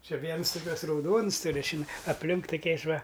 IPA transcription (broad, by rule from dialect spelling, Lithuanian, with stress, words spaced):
t͡ʃʲɪ ˈʋʲiɛns tʊˈkʲuɔs rɐʊˈdoːns tʊˈrʲʊ t͡ʃʲɪˈnɐɪ ɐpʲˈlʲɪŋk tʊˈkʲɛɪs ˈʋɐ